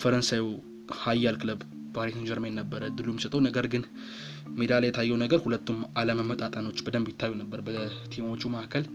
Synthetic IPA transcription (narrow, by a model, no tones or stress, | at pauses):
fəɾənsaji | hajːalkʰɨləb | baɾet̪ɨnd͡ʒəɾmennəbːəɾəd̪ɨlumsət̪ʼəwnəɡəɾɡɨn | med̪alajɛt̪ʰajːɛwnəɡəɾhulət̪ʰːumaləməmːət̪ʼat̪ʼəno̞t͡ʃːbəd̪əmbjit̪ʰːajːunəbːəɾbət̪ʰemo̞t͡ʃːumakʰəl